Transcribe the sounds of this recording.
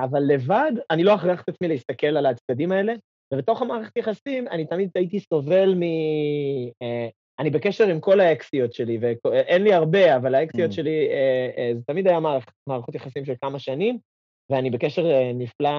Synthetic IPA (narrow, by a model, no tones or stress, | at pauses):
avalːe̞vad̪anilo̞aχʁiaχt̪at͡smileist̪ake̞lalat͡sd̪ad̪imae̞le̞ | vebet̪o̞χamaːʁeχetajeaχasimanit̪amid̪̚t̪ait̪iso̞ve̞lmi | e | anibe̞keʃeʁimko̞laeksio̞tʃe̞livekoʔenliaʁbe̞avalaeksijo̞tʃe̞liezet̪amid̪ajamaːʁeχe̥tmaːʁaχot̪jeχasimʃelkamaʃanim | veanibe̞keʃe̞ʁnifla